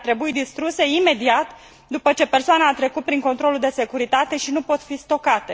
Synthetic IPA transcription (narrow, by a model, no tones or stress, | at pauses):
t̪ɾe̞buid̪ist̪ɾuse̞ime̞d̪iat̪ | d̪upət͡ʃe̞pe̞rsoanaːt̪ɾe̞kut̪̚pɾiŋkont̪ɾo̞luld̪e̞se̞kuɾit̪at̪e̞ʃinupo̞t̪fist̪o̞kat̪e